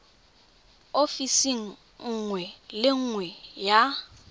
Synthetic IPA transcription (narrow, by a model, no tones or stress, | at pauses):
ofisiŋ̩ | ŋ̩ŋwɛlɪŋ̩ŋwɛja